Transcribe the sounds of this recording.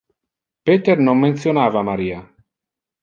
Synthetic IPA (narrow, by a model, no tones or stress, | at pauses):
peːt̪ernomːent̪θjonaːvamaɾiːa